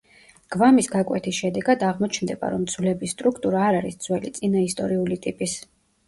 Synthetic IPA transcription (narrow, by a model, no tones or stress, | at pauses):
ɡ̥vamisɡakʼwɛ̰t̪ʰisʃɛd̪ɛɡad̪aʁmɔt͡ʃʰnd̪ɛba̰ɾɔmd̪z̥vlɛbist̪ʼɾukʰt̪ʼuɾaːɾaɾisd̪z̥wɛlit̪sʼinaist̪ʼɔɾiulit̪ʼipʼis